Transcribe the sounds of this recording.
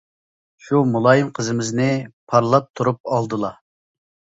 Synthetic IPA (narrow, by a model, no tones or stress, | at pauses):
ʃumulˠɑjɨmqʰəzɨmɪznɪpʰɑɾlˠɑp̚t̪ʰuɾup̚ɑlˠd̪ɨlˠɑ